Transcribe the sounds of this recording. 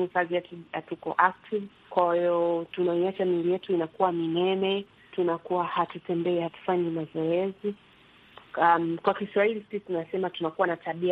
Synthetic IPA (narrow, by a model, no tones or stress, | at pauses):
ikaziatujatukɔ̰ʔak̚tʰiv | kwaiɔtunaiat͡ʃamilijɛtuinakuwaminɛmɛ | tunakuwahatutɛmbɛɛhatu̥faɲimazɔɛzi | amkwakiswahilisitunasɛmatunakuwanatʰaɓia